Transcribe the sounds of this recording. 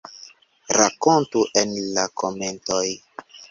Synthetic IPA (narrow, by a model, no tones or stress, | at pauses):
ɾakontuʔenlakʰomentoj